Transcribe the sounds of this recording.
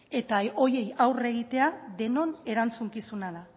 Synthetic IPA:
e̞t̪ao̞je̞jawre̞ɣ̞it̪e̞aðe̞no̞ne̞ɾant͡suŋkisunað̞a

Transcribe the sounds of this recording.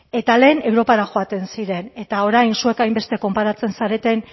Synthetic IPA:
e̞t̪ale̞ːne̞wɾo̞paɾaxo̞at̪e̞nsiɾe̞ne̞t̪ao̞ɾajnsue̞kajmbe̞st̪e̞ko̞mpaɾat͡se̞nsaɾe̞t̪e̞n

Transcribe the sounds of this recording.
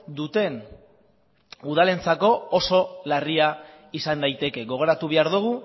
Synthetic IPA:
d̪ut̪e̞n | uð̞ale̞nt͡sako̞oso̞laria | isand̪ajt̪e̞ke̞ɣo̞ɣ̞o̞ɾat̪uβ̞e̞aɾðuɣ̞u

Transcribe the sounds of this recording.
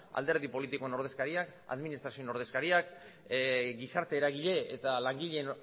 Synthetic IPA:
a̰ld̪e̞ɾð̞ipo̞lit̪iko̞e̞no̞ɾð̞e̞skaɾiaka̰ðminist̪ɾasiono̞ɾð̞e̞skaɾiak | ɡisaɾt̪e̞ːɾaɣiʎe̞et̪alaŋɡiʎen

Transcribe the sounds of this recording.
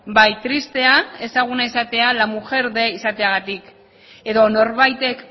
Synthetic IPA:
bajt̪ɾist̪e̞ae̞saɣ̞unaisat̪e̞alamuʝe̞ɾðe̞isat̪e̞aɣ̞at̪ik | e̞ðo̞no̞ɾβajt̪e̞k

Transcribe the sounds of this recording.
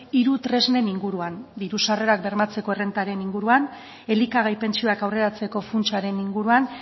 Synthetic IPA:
iɾut̪ɾe̞zne̞niŋɡuɾuand̪iɾusare̞ɾak̚be̞ɾmat͡se̞ko̞ere̞nt̪aɾe̞niŋɡuɾuan | e̞likaɣ̞ajpe̞nt͡sio̞akawre̞ɾat͡se̞ko̞funt͡ʃaɾe̞niŋɡuɾuan

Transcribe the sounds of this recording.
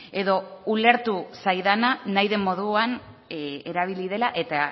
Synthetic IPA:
e̞ðo̞ule̞ɾt̪usajðananajðe̞mːo̞ð̞uan | eɾaβ̞ilið̞e̞laʔe̞t̪a

